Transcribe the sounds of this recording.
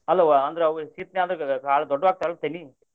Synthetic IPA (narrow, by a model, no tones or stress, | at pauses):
ɐlːɐʋɐnd̪ɾeɐʋsiːt̪niaːnd̪ɾɐkaːɭɐd̪ɔɖːɐʋaːɡ̚t̪aɭɐt̪ɐni